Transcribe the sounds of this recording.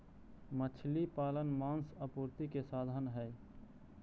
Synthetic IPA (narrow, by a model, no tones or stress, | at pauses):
mət͡ʃʰlipaːlənmãːnsəpuɾt̪ikesad̪ʱənɦɛ